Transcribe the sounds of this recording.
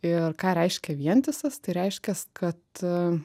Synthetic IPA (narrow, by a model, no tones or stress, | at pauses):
ɪrkɑːɾʲɛɪʃʲkʲɛʋʲiɛnʲt̪ʲɪsɐst̪ɐɪɾʲɛɪʃʲkʲɛskʰɐt̪